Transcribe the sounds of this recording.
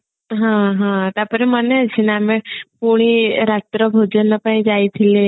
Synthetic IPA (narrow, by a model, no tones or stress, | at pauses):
ɦãɦãt̪apəɾeməneat͡ɕʰinaamepoɽ̃iɾat̪ɾəbʱod͡ʒənːəpaĩd͡ʑajt̪ʰile